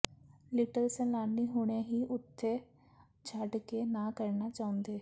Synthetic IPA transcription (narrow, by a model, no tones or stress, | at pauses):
lɪʈəlsə̃laːnːiːɦoːɽ̃eːɦiːʔʊt̪ʰːeː | d͡ʒʰəɖkeːnaːkəɾnaːt͡ʃaːʊ̃nd̪eː